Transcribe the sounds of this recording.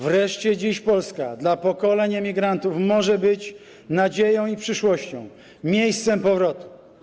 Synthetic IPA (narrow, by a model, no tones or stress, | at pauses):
vɾɛʂt͡ɕɛd͡ʑiɕpɔlska̰d̪lapɔkɔlɛɲɛmʲiɡɾant̪ufmɔʐɛbɘt͡ɕ | nad͡ʑejɔ̃w̃ipʂɘʂwɔɕt͡ɕɔ̰̃w̃ | mʲjejst̪sɛmpɔvɾɔt̪u̥